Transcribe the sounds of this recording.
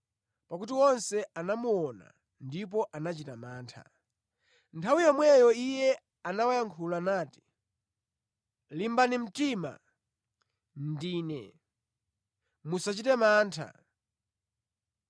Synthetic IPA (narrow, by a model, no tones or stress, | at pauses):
pakut̬iwɔnsɛanamuɔna̰ | ndip̬ɔʔanat͡ʃitamaːntʰa̰ | ntʰawijɔmwɛjɔijɛ | anawajaŋkʰulanaːti̥ | limbanim̩tima̰ | n̩diːnɛ̰ | musat͡ʃitɛmaːntʰa̰